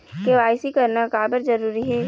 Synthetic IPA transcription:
keʋaːɪsikɐɾnakaːbəɾd͡ʒɐɾuːɾiɦɛː

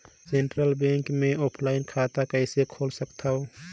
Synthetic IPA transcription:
seːɳʈɾəlbẽːŋkmẽoːpʰlaːɪnkʰat̪akəsekʰoːlsəkt̪ʰao

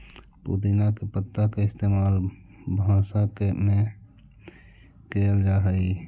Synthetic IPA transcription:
pṵːd̪inakepət̪ːakeɪst̪eːmaːl | bʱãːsakemẽ | keːəld͡ʒaːɦəi

